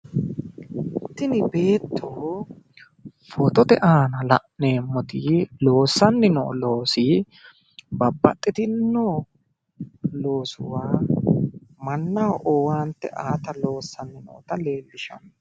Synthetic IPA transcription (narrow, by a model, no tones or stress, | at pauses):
t̪ːɪnɪbe̞ːt̪ːoː | fɔt̪ɔt̪ɛʔaːnɐlɐ̰ʔne̞ːmːɔt̪ɪlo̞ːsːɐnːɪnɔ̰lo̞ːsɪ | bɐbːɐ̰t̪ʼːɪt̪ɪnːo | lo̞ːsʊwaː | mɐnːɐʔɔwaːnt̪ːɛ̰ʔaːt̪ɐlo̞ːsːɐnːɪnɔ̰ːt̪ɐle̞ːlːɪʃɐ̰m